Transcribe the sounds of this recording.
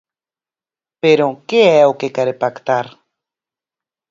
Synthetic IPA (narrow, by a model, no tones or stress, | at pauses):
peɾokeaawkekaɾepakt̪aɾ